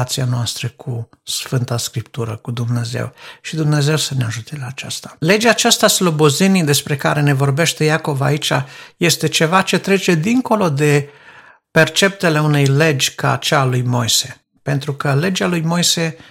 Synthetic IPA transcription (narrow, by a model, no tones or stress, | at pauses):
at̪sianoast̪ɾəkʰu | sfɨnt̪askɾipt̪uɾəkud̪umne̞ze̞̰wʃid̪umne̞ze̞wsəneaʒut̪elaːt͡ʃa̰st̪ḁle̞d͡ʒeaːt͡ʃast̪aslo̞bozinid̪e̞spɾe̞kaɾe̞ne̞vo̞rbe̞ʃt̪e̞jako̞vait͡ʃa̰je̞st̪e̞t͡ʃe̞vat͡ʃe̞t̪ɾe̞t͡ʃe̞d̪iŋko̞lo̞d̪e̞ | pe̞rt͡ʃe̞p̚t̪e̞leune̞jle̞d͡ʒʲka̰t͡ʃaːlujmo̞jse̞ | pe̞nt̪ɾukəle̞d͡ʒalujmo̞jse̞